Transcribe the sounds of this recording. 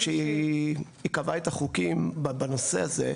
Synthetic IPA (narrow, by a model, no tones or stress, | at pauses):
ʃei | ikavaet̪aχukimbbano̞se̞̰aze̞̰